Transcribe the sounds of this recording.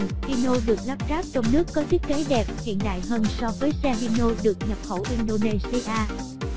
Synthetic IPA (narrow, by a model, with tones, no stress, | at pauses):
hi˧no˧ɗɨ˨˩ək̚laː˦˥p̚zaː˦˥p̚t͡ɕɔ˧wŋ͡mnɨ˦˥əkːɔ˨˦t̪ʰi˦˥ək̚kːe˨˦ɗɛ˨˩p̚hḭ˧˨ənɗ̪a̰ː˧˨jhəː˧nsɔ˧vəː˨˦jsɛ˧ɦi˧no˧ɗɨ˨˩ək̚ɲə˨˩p̚xə˧˩wʔi˧nɗo˧ne˧si˧ʔaː˧